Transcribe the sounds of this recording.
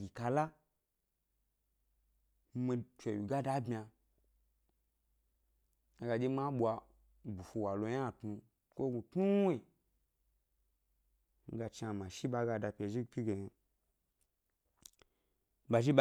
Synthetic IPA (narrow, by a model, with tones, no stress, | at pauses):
ɡʲi˨ka˧la˦ | m˦mi˧t͡ʃʷe˨wi˨ɡa˦da˦bmʲi˧a˧ | a˧ɡa˧d͡ʒʲe˦ma˦ɓʷa˧ | bu˨fu˧wa˨lo˨ja˦˨tnu˧ | kʷo˦ɡu˧tnu˦e˨ | ŋ̩˦ɡa˧t͡ʃi˧a˧˨ma˨ʃi˦ɓa˧ɡa˧da˧pʲe˨ʒi˦ɡpʲi˦ɡe˨ɲa˨ | ɓa˨ʒi˦ɓ